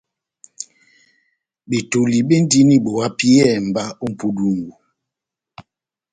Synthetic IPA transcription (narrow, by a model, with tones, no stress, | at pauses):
ɓe˨to˨li˨ɓe˦n˦di˦ni˦ɓo˨a˦pi˦ɛ˦˨m̩˨ba˦o˦m̩˨pu˦du˦˨ŋ˨ɡo˨